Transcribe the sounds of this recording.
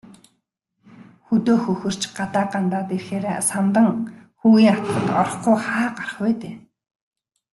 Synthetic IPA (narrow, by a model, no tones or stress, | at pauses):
xɵt̪oːxɵxɵ̆r̥t͡ɕɢat̪aːɢant̪aːt̪erxeːɾesamt̪ə̆ŋxuɣiːŋat̪əχə̆t̪ɔɾ̆χɡujχaːɢarə̥̆χpæːt̪eː